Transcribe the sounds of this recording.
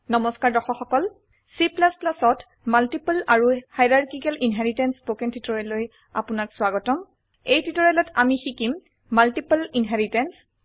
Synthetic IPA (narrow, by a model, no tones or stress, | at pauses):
nɔmɔskaɹdɔxɔxɔkɔl | siplasplasɔt | maltipalaɹuhajdaɹkikɛlinɦɛɹitɛnspokɛntʰitɔɹɛloj | a̰punakswaɡɔtɔm | ejtʰitɔɹɛlɔtamixikimː | altipalinɦɛɹitɛns